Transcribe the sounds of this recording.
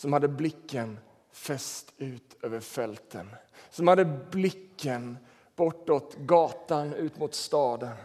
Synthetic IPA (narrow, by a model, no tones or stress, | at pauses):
sɔmhad̪ːəblɪkːən | fɛst̪ʉ̟ːt̪øːvəɾfɛlt̪ʰənsɔmhad̪ːəblɪkːən | b̥ɔʈːot̪ɡɑːt̪anʉ̟ːt̪mʊt̪st̪ɑːd̪ən